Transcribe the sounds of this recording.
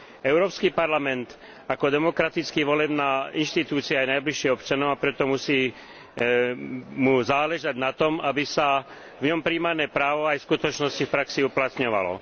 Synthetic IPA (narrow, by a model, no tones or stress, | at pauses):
ɛʊɾɔːpskipaɾlamɛnt̪ | akɔd̪ɛmɔkɾat̪it͡skiːʋɔlɛbnaːinʃt̪it̪uːt͡siaːjnajbliʃiːɔpt͡ʃanɔʊapɾɛt̪ɔmusiː | muzaːlɛʒaɟnat̪ɔmabisa | vɲɔmpɾiːmaɾnɛːpɾaːʋɔajfskut̪ɔt͡ʃnɔscifpɾaksiuplat̪ɲɔʋa̰lɔ̰